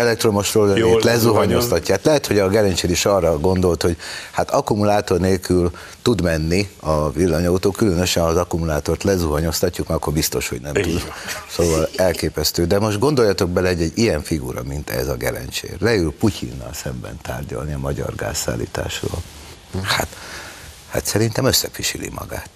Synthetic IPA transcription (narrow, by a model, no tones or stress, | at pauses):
ɛlɛk̚t̪ro̞mo̞ʃroːløet̪lɛzuɦɒɲo̞st̪ɒcːaɦaːt̪lɛɦɛt̪ho̞ɟɒɡɛlɛnt͡ʃeːɾiʃɒrːɒɡo̞nd̪o̞lt̪ho̞ɟhat̪ɒkumulaːt̪o̞rneːlkyl | t̪ud̪mɛnːiɒvilːɒɲɒut̪oːkylønø̞ʃɛnɒzɒkumulaːt̪o̞rt̪lɛzuɦɒɲo̞st̪ɒcːukmɛɒkːo̞rbist̪o̞ʃho̞̰ɟnɛmt̪ud̪soːvɒlɛlkeːpɛst̪øːd̪ɛmo̞ʒd̪̚ɡo̞nd̪o̞jɒt̪o̞ɡ̚bɛlɛhoɟːɛɟːijɛɱfiɡuɾɒ̰mint̪ɛ̰zɒɡɛlɛ̰nt͡ʃḛːlɛylpucʰḭnːɒ̰lsɛmbɛ̰nt̪a̰ːrɟɒ̰lniɒmɒɟɒ̰rɡa̰ːsːa̰ːlːḭːt̪a̰ːʃro̰ːl | ha̰t̪ | ha̰t̪sɛɾint̪ɛmøsːɛfiʃilḭmɒ̰ɡa̰ːt̪